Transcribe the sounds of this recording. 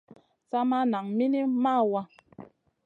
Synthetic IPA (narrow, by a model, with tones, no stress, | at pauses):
sa˦ma˦na˨ŋmi˦ni˦ma˦˨wa˦